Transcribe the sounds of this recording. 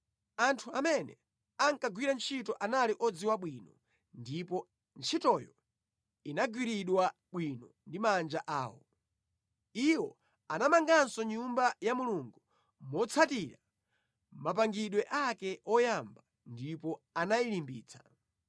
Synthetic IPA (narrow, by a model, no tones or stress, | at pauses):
antʰuamɛnɛ | aŋkaɡwiɾant͡ʃʰitɔʔanaliʔɔd͡ziwaɓwinɔ | ndipɔ | nt͡ʃʰitɔjɔ | inaɡwiɾiɗwa | ɓwinɔndimand͡ʒaʔaːwɔ̰ | iwɔ | anamaŋɡansɔɲumbajamuluŋɡu | mɔt͡sʰatiɾa | map̬aŋɡiɗwɛʔakɛʔɔjamba | ndipɔanailimbḭːt͡sʰḁ